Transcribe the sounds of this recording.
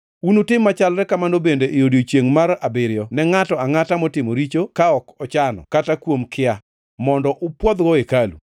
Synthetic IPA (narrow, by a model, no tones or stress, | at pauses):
unutɪmːat͡ʃalɾɛkamanobendeʔejodjot͡ʃjeŋmaɾabɪɾɪjɔnɛŋatɔaŋatamɔtɪmoɾit͡ʃokaɔkɔt͡ʃanɔ̰katakwomkʰɪa | mɔndɔʔʊpwɔd̪ɡɔekalṵ